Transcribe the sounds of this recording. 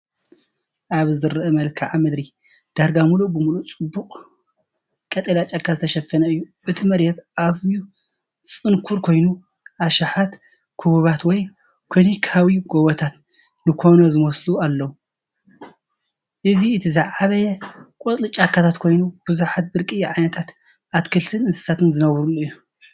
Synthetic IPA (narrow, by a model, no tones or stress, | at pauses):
ʔaβzɨɾʔɐmɐlkʰɐʕamɨd̪ɾi | d̪̥aɾɡamuluʔbɨmulut͡sʼɨbːuχʼ | kʼɐt̪ʼɐlat͡ʃʼakʰːazɨt̪ʰɐʃɐfːɐnɐɨjːu | ʔɨt̪ʰimɐɾjɛt̪ʔaziju | t͡sʼɨnkʰuɾkʰo̞jnu | ʔaʃaħat̪ | kʰuβuβat̪wɔj | kʰlonikʰawiɡowɐt̪ʰat̪ | nɨkʰo̞nɐzɨmɐslualːɐwu | ʔɨziɨt̪ʰizaʕaβɐjɛkʼot͡sʼlɨt͡ʃʼakʰːat̪ʰat̪kʰo̞jnub̥ɨzuħat̪̚bɨɾkʼɨjːaʕajnɐt̪ʰat̪ | ʔat̪kʰɨlt̪ʰɨnɨnsɨ̥sat̪ɨnzɨnɐβɾulːuɨjːu